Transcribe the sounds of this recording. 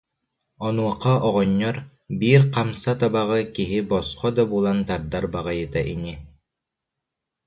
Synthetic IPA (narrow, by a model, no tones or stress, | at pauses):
ɔnuɔqaɔʁɔɲːɔɾ | biːɾqamsat̪abaʁɯkiɦibɔsqɔd̪abuːlˠant̪aɾd̪aɾbaʁajɯt̪aʔini